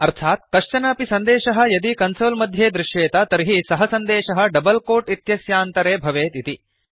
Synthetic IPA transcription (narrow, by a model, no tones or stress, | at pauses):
ɐɾt̪ʰaːt̪̚kɐʂt͡ʃɐnaːpisɐnd̪eːʃɐɦɐ̆jɐd̪ikɐnsoːlmɐd̪ʱjeːd̪ɾɪʃjeːt̪ɐt̪ɐɾiɦisɐɦɐsɐnd̪eːʃɐɦɐ̆ɖɐbɐlkoːʈit̪jɐsjaːnt̪ɐɾeːbʱɐʋeːt̪it̪i